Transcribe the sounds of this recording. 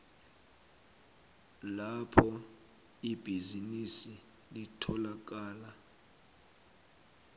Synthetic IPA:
lapʰɔ | ib̥ʱizinisi | litʰɔlak̬aːla

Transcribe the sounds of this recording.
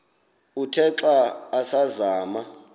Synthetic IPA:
utʰɛǁaːsazaːma

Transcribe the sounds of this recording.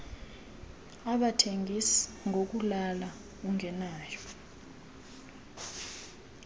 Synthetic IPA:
aɓatʰeŋʱisi̥ŋʱok̬ulala | uŋʱɛnaːjɔ

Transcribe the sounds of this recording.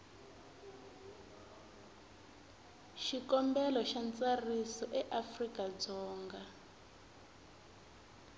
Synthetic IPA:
ʃikɔmbɛlɔʃant͡sarisɔʔɛʔafrikʼad͡zɔːŋɡa

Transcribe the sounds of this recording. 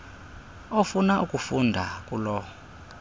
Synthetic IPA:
ɔfunaʔukʼufundʱakʼulɔɔ

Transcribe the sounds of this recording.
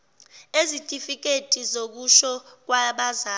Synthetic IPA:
ezitʼifik̬ʼetʼizok̬uʃɔk̬waɓaza

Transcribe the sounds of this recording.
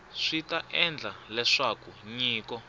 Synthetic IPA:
ʂitaʔɛnd͡ɮalɛʂakuɲiːkɔ

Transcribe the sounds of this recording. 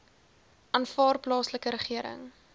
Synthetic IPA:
ʔɑnfɑːrplɑːsləkəɾəχiəɾə̰ŋ

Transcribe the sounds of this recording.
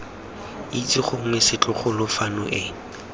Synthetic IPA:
it͡sʼɪχʊŋ̩ŋesɪt͡ɬʼʊχʊlʊfanʊʔɪ

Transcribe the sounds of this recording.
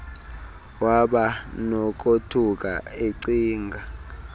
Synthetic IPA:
waɓanɔk̬ʼotʰuk̬ʼa̰eǀiːŋɡʱa

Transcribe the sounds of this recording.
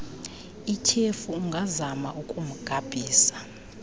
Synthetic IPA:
ikʰefuːŋɡʱazamaʔukʼum̩ɡ̥ʱab̥ʱiːsḁ

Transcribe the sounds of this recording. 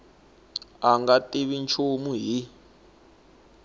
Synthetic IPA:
aŋɡatiβint͡ʃʰumuɦi

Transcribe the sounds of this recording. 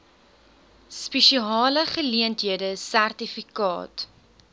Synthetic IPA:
spɛʃiɑːləχəliəntɦiədəsærtifikɑ̰ːt

